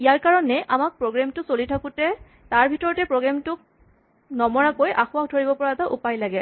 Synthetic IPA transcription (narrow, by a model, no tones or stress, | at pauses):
ijaɹkaɹɔnɛʔamak̚pɹoɡɹamtʊsolitʰakʊtɛ | taɹbʱitɔɹɔtɛpɹoɡɹamtʊk̚ | nɔmɔɹakojʔaxʊakdʱoɹibɔpɔɹaɛtaʔupajlaɡɛ